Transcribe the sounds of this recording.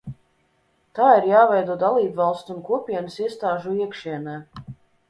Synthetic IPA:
t̪aːiɾjaːvɛjd̪uɔd̪alˠiːbvalˠst̪unkuɔpʲiɛnəsiɛst̪aːʒuiɛkʃiɛnɛː

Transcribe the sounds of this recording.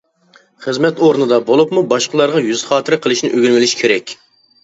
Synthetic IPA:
χəzmɛt̪oɾnɨd̪ɑbolˠupmubɑʃqəlˠɑɾʁɑjyzχɑːt̪ʰɪɾɪqʰəlˠɨʃnɪʔøɡʲilmɪlɪʃkʲʰeɾɛkʲ

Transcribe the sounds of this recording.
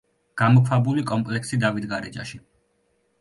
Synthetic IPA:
ɡ̥amɔkʰwabulikʼɔmpʼlɛksid̪avit̪ɡaɾɛd͡ʒa̰ʃi

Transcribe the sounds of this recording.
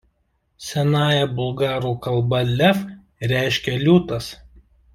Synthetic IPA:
sʲɛnɑːjɛbʊlˠɡɑːɾuːkɐlˠbɐlʲɛf | ɾʲæˑɪʃʲkʲɛlʲuːt̪ɐs

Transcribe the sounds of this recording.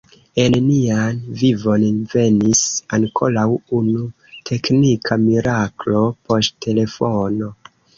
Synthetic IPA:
e̞nnianvivo̞nve̞nisaŋkʰo̞lawunu | tʰe̞knikʰamiɾaklo̞po̞stte̞le̞fo̞no̞

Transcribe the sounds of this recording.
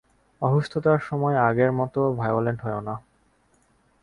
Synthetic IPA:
ɔɦuʃt̪ʰot̪aɾʃɔmɔeaɡeɾmɔt̪obʱajoleɳʈɦɔeona

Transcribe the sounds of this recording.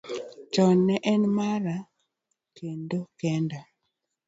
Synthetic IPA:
t͡ʃɔnːɛʔɛnmaɾa | kendokɛnda

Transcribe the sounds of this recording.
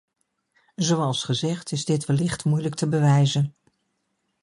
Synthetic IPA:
zowɑlˠsχəzɛχtɪzdɪtʋəlɪχtmujlək̚təbəʋɛjzən

